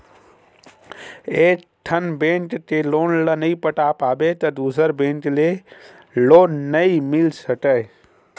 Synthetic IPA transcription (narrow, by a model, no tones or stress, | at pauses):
eːk | ʈʰənbẽːnʈt̪eloːnlənəipəʈaːpaːbet̪ɐd̪uːsəɾbẽːɳʈle | loːnːəimɪlsəʈəe